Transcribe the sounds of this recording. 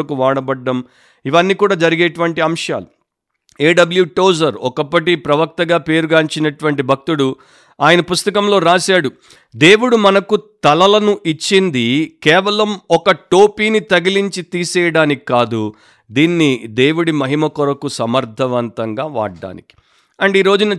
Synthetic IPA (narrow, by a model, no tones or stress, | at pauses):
ɐkuʋaːɽɐbɐɖːɐm | iʋɐnːiːkuːɽaːd͡ʒɐɾiɡeːʈuʋɐɳʈiɐmʂa̰ːlu | eːɖɐbɐljuʈoːzɐɾɔkɐpːɐʈipɾɐʋɐk̚t̪ɐɡaːpe̞ːɾuɡaːɲt͡ʃinɐʈuʋɐɳʈibʱɐk̚t̪uɽu | aːjɐnɐpust̪ɐkɐmlo̞ːɾaːsaːɽu | d̪e̞ːwuɽumɐnɐkut̪ɐlɐlɐnuʔit͡ʃːind̪ikɛːʋɐlɐmɔkɐʈoːpiːnit̪ɐɡiliɲt͡ʃit̪iːsɛːjɐɽaːnikkaːd̪u | d̪iːnːid̪e̞ːwuɽimɐɦimɐkɔɾɐkusɐmɐɾd̪ʱɐʋɐnt̪ɐŋɡaːʋa̰ːɖːa̰ːniki̥ | ɐɳɖiːɾo̞ːd͡ʒunɐ